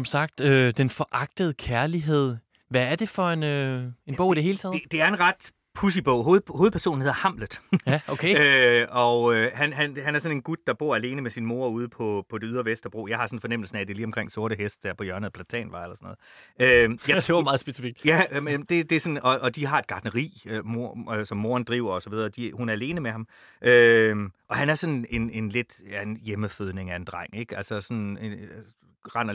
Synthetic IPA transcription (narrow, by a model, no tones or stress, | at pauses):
sɒ̽msɑ̈ɡ̥̚d̥ød̥enfɒ̽ʔɑ̈ɡ̥̚d̥əð̞̩ˠkʰæɐliɦe̝ð̞̰ˠ | ʋææɐd̥e̝fɒ̽e̝nøenb̥ɔ̽ʊ̰id̥eɦe̝ːlət͡sʰɛ̰ːðed̥e̝æɐe̝nʁɑ̈d̥ | pʰus̬ib̥ɔʊ̰ɦo̝ːð̩ˠhoːðˠpʰæɐso̝̰ːn̩he̝ðˠɐhɑ̈m̰ləð̩ˠjæokʰeøɒ̽øhænɦænɦænæɐsɒ̽ne̝nɡ̥ud̥̚ːɑ̈b̥o̝ɐæle̝ːnəmesinmo̝ɐuːð̞ˠəpʰɒ̽pʰɒ̽d̥e̝yðˠɐʋesd̥ɐb̥ʁo̝̰ːjɑ̈ɪhɑ̈sɒ̽n̩fɒ̽nem̰l̩sn̩æd̥e̝liːɒmkʰʁeŋ̰so̝ɐɾəɦesd̥dæɐ̰pʰɒ̽jɶɐnəð̩ˠpʰlæt͡sʰɛ̰ːnʋɑ̈ɪelɐsɔnɔð̩ˠøjḁemɑ̈ːð̩ˠsb̥e̝sifiɡ̥jæmd̥e̝d̥e̝sɔ̽nɒ̽ʔɒ̽d̥iɦɑ̈e̝d̥ɡ̥ɑ̈d̥nəʁḭːmosɒ̽mːo̝ːɐnd̥ʁiʊ̰ɐɒ̽sɒ̽ʋið̞ˠɐːd̥ihunæɐæle̝ːnəmehɑ̈m | ʔøʔɒ̽hænæɐsɒ̽ne̝ne̝nle̝d̥jæe̝njeməføð̞ˠne̝ŋæe̝nd̥ʁɑŋ̰eɡ̥ælsɐsɒ̽ne | ʁɑn̰ɐ